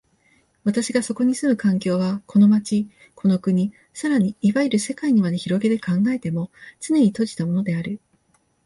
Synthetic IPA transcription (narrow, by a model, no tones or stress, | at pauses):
βat̪aɕiɡaso̞ko̞ɲ̟isɨmɯ̟kãŋk̬ʲo̞ːβakʰo̞no̞mat͡ɕi | kʰo̞no̞kɯ̟ɲ̟i | saɾaɲ̟iːβaiɾɯ̟se̞kaiɲ̟imad̪e̞çiɾo̞ɡe̞d̪e̞kãŋɡae̞t̪e̞mo̞t͡sɨne̞ɲ̟it̪o̞ʑi̥t̪amo̞no̞d̪e̞aɾɯ̟